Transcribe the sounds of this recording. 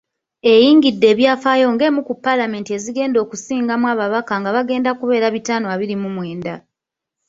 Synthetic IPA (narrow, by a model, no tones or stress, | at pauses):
e̞jiːŋɡidːe̞ːβjaːfaːjo̞ŋɡe̞ːmukupːalame̞ːntie̞ziɡe̞ːndo̞ːkusiːŋɡamwaːβaβakaŋɡaβaɡe̞ːndakuβe̞ːɾaβitaːnoaβiɾimumwe̞ːnda